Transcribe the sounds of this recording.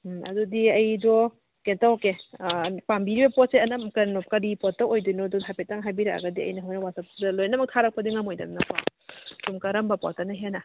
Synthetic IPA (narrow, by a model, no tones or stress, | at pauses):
ɐ̰dudiɐjdɔ | kentawke | pambiɾibɐpɔt̚seɐnɐmkɐɾnɔkɐɾipɔt̚ːɐʔojdunɔdɔɦapet̚aŋɦajbiɾaa̰ɡɐdiɐ̰jnɐɦawnɐwasɐsdɐlojnɐmɐk̚tʰaɾɐk̚pɐdiŋɐmojdɐ̰nnɐpa̰sumkɐɾɐmbɐpɔ̰tɐnɐɦena